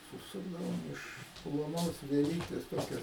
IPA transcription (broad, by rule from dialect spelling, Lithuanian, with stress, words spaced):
sʊˈsʊɡdɐʋoːm ɪʃ plˠoːˈnoːs ʋʲiɛˈlʲiːtʲeːs ˈtoːkʲɛ